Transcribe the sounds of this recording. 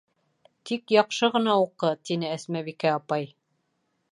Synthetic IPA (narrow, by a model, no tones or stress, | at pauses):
t̪ikjɑqʃɤʁɤ̆nɑuqɤt̪inɘæsmæβikæɑpɑj